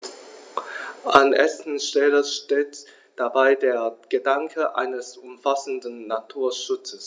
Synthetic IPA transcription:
ʔanʔɛsn̩ʃtɛləʃteːt | d̥abaɪdeːɐɡ̥ədaŋkʰəʔa̰ɪnəsʔʊmfasn̩dn̩ːatʰuːɐʃʊt͡səs

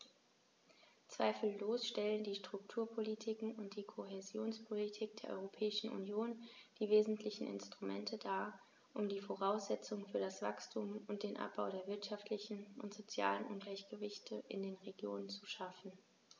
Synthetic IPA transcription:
t͡sv̥aɪfl̩ːoːsʃtɛləndiːʃtʁ̥ʊk̚tʰuːɐpʰolitʰikŋ̩ʊnt̚d̥iːkʰoɦezjoːnspʰolitʰiːk̚d̥eːɐʔɔ̰ʏʁopʰɛːɪʃn̩ʔṵnjoːnd̥iːveːzn̩tʰlɪçn̩ʔɪ̰nstʁ̥umɛ̰ntʰədaːɐ | ʔʊmdiːfoʁaʊsz̥ɛt͡sʊŋfyːɐɾasv̥a̰kstʰuːmʊnt̚d̥eːnʔa̰p̚b̥aʊɾeːɐvɪɐtʃaftlɪçn̩ʊntz̥ot͡sja̰ːlənʔʊnɡlaɪçɡ̥əvɪçtʰəʔɪ̰ndeːnʁeɡjoːnənt͡suʃafn̩

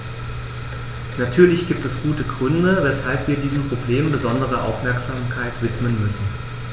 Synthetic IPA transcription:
natʰyːɐlɪçɡ̥iːp̚tɛsɡ̥uːtəɡʁʏndəvɛshalpv̥iːɐdiːzəm̩pʁ̥obleːmmbəzɔndəʁ̞əʔa̰ʊfmɛɐkz̥aːmkʰaɪtv̥ɪtmənmʏsn̩

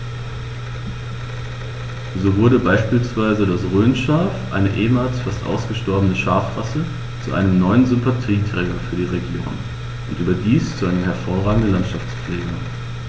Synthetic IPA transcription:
zoːvʊɐdəbaɪʃpiːlsv̥aɪzədasʁøːnʃaːfʔa̰ɪnəʔeːmaːlsfastʔa̰ʊsɡ̥əʃtɔɐbənəʃaːfʁ̥asə | t͡sṵʔa̰ɪnəmnɔʏənzʏmpatʰiːtʁ̥ɛːɡɐfyːɐdiːʁeɡjo̰ːn | ʔʊntʔyːbɐdiːst͡suʔaɪnəmɦɛɐfoːɐʁaːɡŋ̩dən̩lantʃaft͡spp͡flɛːɡɐ

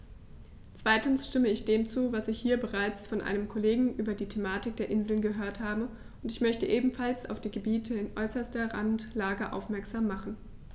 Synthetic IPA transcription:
t͡sv̥aɪtn̩sʃtɪməɪçd̥eːmt͡suːvasɪçhiːɐbəʁaɪt͡sfɔnʔa̰ɪnəmkʰɔleːɡŋ̩ʔyːbɐdiːtʰemaːtɪk̚d̥eːɐʔɪnzl̩nɡəɦøːɐthaːbə | ʊntɪçmœçtəʔeːbm̩falsa̰ʊfd̥iːɡəbiːtʰəɪnʔɔ̰ʏsɐstɐʁa̰ntlaːɡəʔa̰ʊfmɛɐkz̥aːmːaχn̩

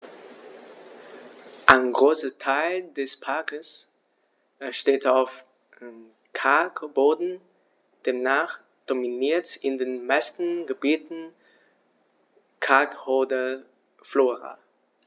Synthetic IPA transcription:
ʔaɪnɡʁoːsətʰaɪldɛspʰaɐkəs | ʃteːtaʊf | m | kʰaɐkb̥oːdn̩ | d̥eːmnaːχ | d̥ominiːɐtɪndeːnmaɪstn̩ɡəbiːtn̩ | kʰaɐkhoːdə | floːʁa̰

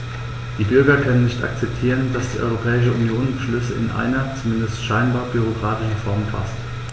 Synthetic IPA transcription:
d̥iːbʏɐɡɐkʰœnənːɪçtʔa̰k̚t͡sɛp̚tʰiːʁəndasd̥iːʔɔ̰ʏʁopʰɛːɪʃ̬əunjoːnbəʃlʏsəɪ̰nʔa̰ɪnɐt͡sumɪndəstʃaɪnbaːɐbyʁ̞okʁ̥aːtɪʃn̩fɔɐmfʰa̰st

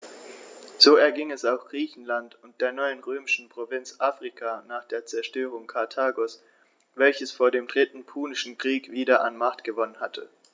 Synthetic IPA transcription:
z̥oːɛɐɡɪŋɛsaʊxɡ̥ʁiːçn̩lantʊnt̚d̥eːɐnɔʏənʁøːmɪʃn̩pʁ̥ovɪnt͡sʔaːfʁ̥ikʰaːnaːχd̥eːɐt͡sɛɐʃtøːʁ̞ʊŋkʰaɐtʰaːɡos | v̥ɛlçəsfoːɐdeːmdʁɪtn̩pʰuːnɪʃn̩kʁ̥iːkv̥iːdɐʔa̰nmaχtɡ̥əvɔnənhatʰə

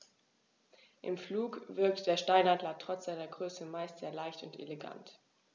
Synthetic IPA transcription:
ʔɪ̰mfluːkvɪɐk̚td̥eːɐʃtaɪnhandlatʁ̥ɔt͡sz̥aɪnɐɡʁøːsəmaɪstz̥eːɐlaɪçtʊntḛleɡa̰nt

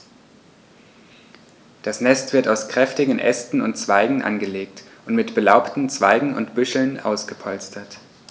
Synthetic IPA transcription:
d̥asnɛstv̥ɪɐtaʊskʁ̥ɛftɪɡŋn̩ʔɛ̰stn̩ʊ̰ntt͡sv̥aɪɡŋ̩ʔa̰nɡəleːktʔʊntmɪtb̥əlaʊptn̩t͡sv̥aɪɡŋ̩ʊ̰ntb̥ʏʃl̩nʔa̰ʊsɡ̥əpʰɔlstʰɐt

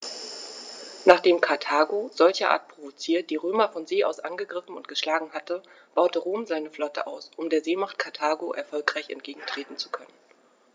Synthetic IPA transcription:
naːχd̥eːmkʰaɐtʰaːɡoz̥ɔlçɐʔa̰ːɐt̚pʁ̥ovot͡siːɐt̚d̥iːʁøːmɐfɔnzeːʔa̰ʊsʔa̰nɡəɡʁɪfn̩ʊnt̚ɡ̥əʃlaːɡŋ̩ɦatə | b̥aʊtəʁoːmzaɪnəflɔtʰə̰ʔa̰ʊsʔʊmdeːɐzeːmaχt̚kʰaɐtʰaːɡoʔɛɐfɔlkʁ̥aɪçɛ̰ntɡ̥eːɡŋ̩tʰʁ̥eːtn̩t͡su̥kʰœnən

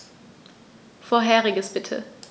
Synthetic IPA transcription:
foːɐɦɛːʁɪɡəsb̥ɪtʰə̰

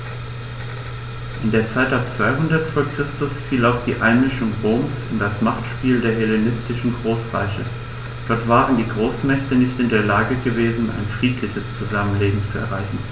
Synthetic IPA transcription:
ʔɪndeːɐt͡saɪtap̚t͡sv̥aɪɦʊndɐtfoːɐkʁ̥ɪstʊsfiːlaʊxd̥iːʔaɪnmɪʃʊŋʁoːmsɪ̰ndasmaχtʃpiːldeːɐɦɛlenɪstɪʃn̩ɡʁoːsʁa̰ɪçə̰ | d̥ɔɐtv̥aːʁəndiːɡʁoːsmɛçtənɪçtɪndeːɐlaːɡəɡəveːzn̩a̰ɪnfʁ̥iːtʰlɪçəst͡suzamənleːbm̩t͡suɛ̰ɐʁ̞aɪçn̩

